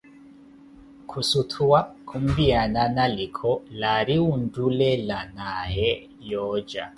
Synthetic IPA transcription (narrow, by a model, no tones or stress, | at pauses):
kʰusutʰuwakʰumbiananalikʰɔlaɾiwundulɛlanahɛ | jɔːd͡ʒa̰